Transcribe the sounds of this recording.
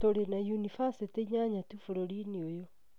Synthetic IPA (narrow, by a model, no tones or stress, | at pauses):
toɾenajunifasiteɲaɲatufɔɾɔɾiniojɔ